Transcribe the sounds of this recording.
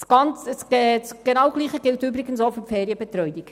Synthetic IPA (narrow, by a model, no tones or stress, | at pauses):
sɡ̥ɑnt͡səst͡sɡ̥enɑwɡ̥liːχəɡ̥ɪltybɾiɡənsofyfeːɾjəbɛt̪ɾœʏdik